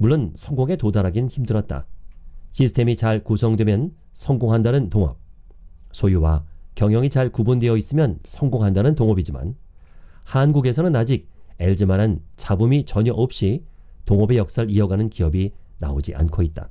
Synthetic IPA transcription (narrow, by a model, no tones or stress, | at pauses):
muɭːonsʰʌŋɡoŋe̞todaɾɦaɡinçimdɯɾʌt̚t͈a̰ɕʰisʰɯ̥tʰe̞mit͡ɕaɭkusʰʌŋdwe̞mjʌn | sʰʌŋɡoŋɦandanɯntoŋʌ̰p̚sʰojuwakjʌŋjʌŋit͡ɕaɭkubundweʌis͈ɯmjʌnsʰʌŋɡoŋɦandanɯntoŋʌbid͡ʑima̰n | hanɡuɡe̞sʰʌnɯnad͡ʑik̚e̞ɭd͡ʑimaɾant͡ɕabumit͡ɕʌɲʌʔop̚ɕ͈i | toŋʌbe̞jʌk̚s͈aɾiʌɡanɯnkiʌbi | na̰od͡ʑiʔa̰nkʰoit̚t͈a̰